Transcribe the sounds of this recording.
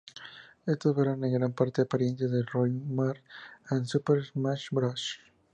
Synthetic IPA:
est̪osbeɾaneɡɾampaɾt̪eapaɾjensjaðelrojmaɾansupeɾmaʃbɾaʃ

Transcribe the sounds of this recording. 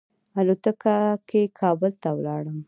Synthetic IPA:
alot̪əkakʰekʰɑbəlt̪awlɑɽəm

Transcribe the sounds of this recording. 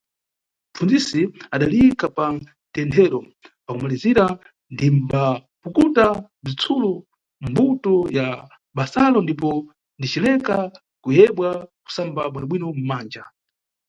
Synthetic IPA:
m̩fund͡zisiaɗalikapa | tɛntʰɛɾɔ | pakumaliziɾa | ndimbapukuta | b͡ʐit͡sʰulu | m̩butɔja | ɓasalɔndip̬ɔ | ndit͡ʃilɛka | kujɛɓwaku̥sambaɓwinɔɓwinɔm̩maːnd͡ʒa̰

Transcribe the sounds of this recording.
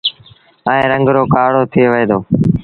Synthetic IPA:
əẽːɾəŋɡɾoːkaːɽoːt̪ʰɪeːʋəeːd̪oː

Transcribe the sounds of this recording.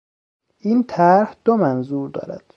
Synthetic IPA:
ʔiːnt̪ʰæɾhd̪̥omænzuːɾd̪ɒ̰ːɾæd̪̥

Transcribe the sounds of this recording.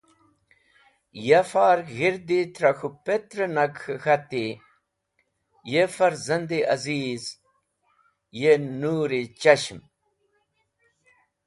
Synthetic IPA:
jɐfaːɾɣiɾd̪it̪ɾɐxupet̪ɾɐnɐkxxɐt̪i | jefɐɾzɐnd̪iɐziːz | jenuːɾit͡ɕɐɕm

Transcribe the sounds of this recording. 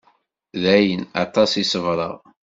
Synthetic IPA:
ðæjənɑ̰t̪ˤɑsisəvɾˤəʁ

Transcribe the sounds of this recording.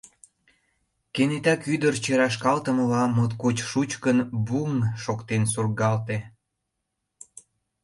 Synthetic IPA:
kenet̪ɑkyd̪ərt͡ɕeɾɑʃ̬kɑlt̪əməlɑmot̪kot͡ɕʃut͡ɕkənbuŋʃokt̪ensurɡɑlt̪e

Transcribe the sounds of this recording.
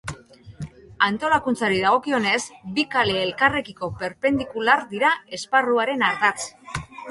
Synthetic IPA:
ant̪o̞lakunt͡saɾiðaɣ̞o̞kio̞ne̞sbikale̞ːlkare̞kiko̞pe̞ɾpe̞nd̪ikulaɾd̪iɾae̞sparuaɾe̞naɾt̪at͡s

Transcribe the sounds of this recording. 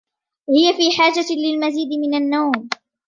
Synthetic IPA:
hɪjafiːħaːd͡ʒalɪlmaziːd̪ɪmɪnanːawm

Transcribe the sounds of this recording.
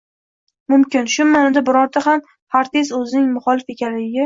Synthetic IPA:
mʊmkʲɪnʃʊnːanɪd̪abɪɾɒɾt̪aɦam | haɾt̪ʰe̞sɵzɪnɪŋmʊχɒlɪfe̞kʲanlɪɡʲɪ

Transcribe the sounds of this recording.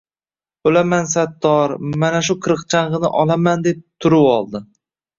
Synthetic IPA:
olamansat̪ːɒɾmanaʃ̬ʊkʰɨɾɨqt͡ʃʰaɴʁɨnɪʔɒlˠamand̪e̞p̚t̪ʰʊɾɪpɒlˠd̪ɪ

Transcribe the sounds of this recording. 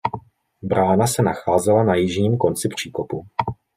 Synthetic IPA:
bɾaːnasɛnaxaːzɛlanajɪʒɲiːmko̞nt͡sɪpr̝̥iːko̞pu

